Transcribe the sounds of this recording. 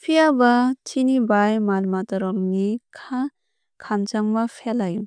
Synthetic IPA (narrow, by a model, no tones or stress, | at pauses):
pʰiabatʰinibajmalmatɔɾɔmnikʰa | kʰamt͡ʃambapʰelajum